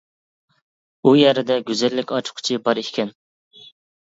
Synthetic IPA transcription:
ujɛɾɪd̪ɛɡʲyzɛlːɪkʲɑt͡ʃʰʊ̥qʰʊ̥t͡ʃʰibɑɾikʲʰɛn

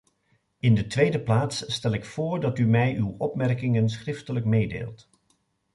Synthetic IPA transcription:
ɪndətʋejdəplaːtsːtɛlɪkfʊːɹdɑtymɛjʔywɔpmɛrkɪŋənsχrɪftələkmejdḛːlˠt

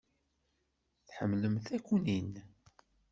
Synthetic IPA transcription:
θħə̰mːləmθækʷːunin

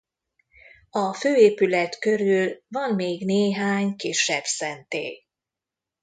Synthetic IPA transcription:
ɒføːeːpylɛt̪kø̞ɾylvɒnmeːɡneːɦaːɲkiʃːɛbsɛnt̪ḛː

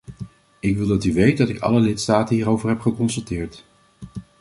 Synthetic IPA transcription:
ɪkʋɪlˠdɑtyʋejt̚dɑtɪkɑ̰ləlɪtstaːtənɦiːɾowvəɹɦɛpχəkɔnsɵlˠtɪːɹt

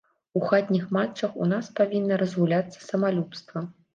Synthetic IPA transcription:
uxad̪ʲnʲixmat͡ʂːɐxṵnaspavʲinːɐɾɐzɣulʲat̪sːɐ̥sɐmalʲupst̪vɐ

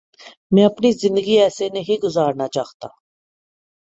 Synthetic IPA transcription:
miapniszind̪ɡiɛsɛniɦiɡuzaːɾnad͡ʒaχt̪ʰʼa̰

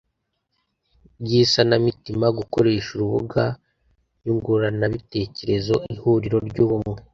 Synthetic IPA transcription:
ɟisanamitimaɡuko̞ɾe̞ːʃuɾuβuɡa | juŋɡuɾanaβite̞ːce̞ɾe̞zo̞ihuɾiɾo̞ɾɟuːβumŋe

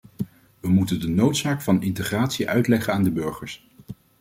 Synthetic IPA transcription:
ʋəmutəndənowtsaːkfɑnɪntəχraːtsiʔœ̰ɥtlɛχəaːndəbɵɹχəɹs

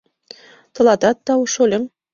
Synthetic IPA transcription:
t̪ɤ̆lˠɑd̪ɑt̪ːɑuʃolʲɘ̆m

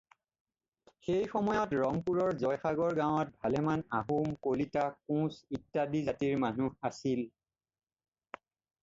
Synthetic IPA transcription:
xejxɔmɔjɔtɹɔŋpuɹɔɹzɔjxaɡɔɹɡaw̃ɔt̚bʱalɛmanaɦumkolitakũsitːadizatiɹmanuasil

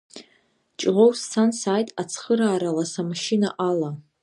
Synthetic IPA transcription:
t͡ʃʼʁʷowsːansaːjtʼat͡sʰχəɾaːɾalasamaʃinaʔala

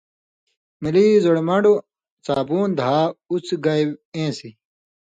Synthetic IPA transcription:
miliːzoɽmɐɳɖu | t͡saːbuːnd̪ʱaːut͡sɡɐjwẽːsi

